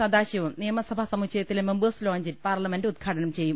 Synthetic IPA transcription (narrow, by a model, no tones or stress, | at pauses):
ɐd̪aːɕjɐʋɐmnijɐmɐsɐbʱasɐmuɕɐjɐt̪ːilemembɨsloːɲd͡ʑitpaːrlɐme̞ndɨud̪̚ɡʰʱaːʈɐnɐmt͡ɕe̞jːum